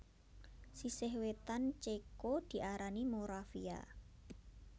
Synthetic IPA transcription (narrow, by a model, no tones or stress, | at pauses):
sisɪhwet̪ant͡ʃekod̪̥i̤ʔaɾanimoɾafḭa̰